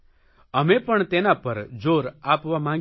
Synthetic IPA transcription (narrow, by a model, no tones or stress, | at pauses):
əmepəɳt̪enapəɾd͡ʒoɾapʋamãɡ